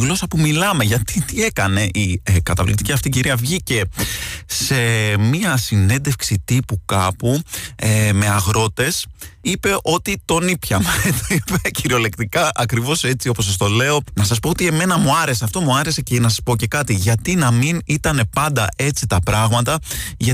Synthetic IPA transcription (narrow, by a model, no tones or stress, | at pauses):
ɣlo̞sɐpumilɐme̞ʝɐt̪it̪ie̞kɐne̞ʔikɐt̪ɐvlḭkt̪iciɐft̪iciɾiɐvʝice̞ | se̞miɐsine̞nd̪e̞fksit̪ipukɐpueme̞ɐɣɾo̞t̪e̞sipe̞ʔo̞t̪it̪o̞nipçɐmet̪oipeciɾio̞le̞kt̪ikɐʔɐkɾivo̞se̞t͡siopos̬ɐs̬t̪o̞le̞o̞nɐsɐs̬po̞ot̪ie̞me̞nɐmuɐɾe̞seɐft̪o̞muɐɾe̞se̞cenɐs̬ɐspo̞ce̞kɐt̪iʝɐt̪inɐminit̪ɐne̞pɐnd̪ɐ̰ʔe̞t͡sit̪ɐpɾɐɣmɐt̪ɐʝɐ